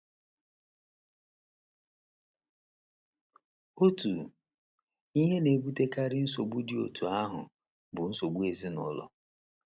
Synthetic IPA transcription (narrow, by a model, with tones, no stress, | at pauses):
o˦tu˨ | i˦ɦe˦ne˨bu˦te˦ka˦ɾɪ˦n̩˦so˨ɡ͡bu˦dɪ˦o̰˨tu˨a˦ɦʊ̰˨ | bʊ˨n̩˦so˨ɡ͡bu˦e˨zi˦nʊ̰˨lɔ̰˦